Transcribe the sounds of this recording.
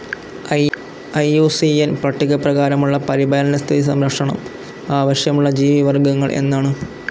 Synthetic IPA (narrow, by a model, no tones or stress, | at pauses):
ɐjuːsienprɐʈːiɣɐprɐɣaːɾɐmuɭːɐpɐɾibɐlɐnɐst̪ʰiðisɐmɾɐkʂɐɳɐ̰m | aːʋɐɕjɐmuɭːɐd͡ʑiːʋiʋɐrɡɐŋːɐɭʔe̞̰nːaːɳɨ